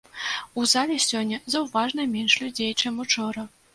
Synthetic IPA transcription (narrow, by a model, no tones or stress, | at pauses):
uzalʲɛsʲɔnʲːɐzɐwvaʐnɐmʲɛnʂlʲud͡zʲejt͡ʂɛmut͡ʂɔɾɐ